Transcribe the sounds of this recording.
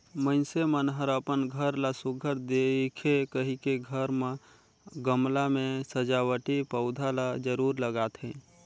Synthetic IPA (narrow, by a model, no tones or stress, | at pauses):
mənsemənɦəɾəpənɡʱəɾlasʊɡʱəɾd̪ekʰekəɦikeɡʱəɾmə̃ | ɡəmlamẽsəd͡ʒawəʈipəʊd̪ʱalad͡ʒəɾuːɾləɡaːt̪ʰɦẽ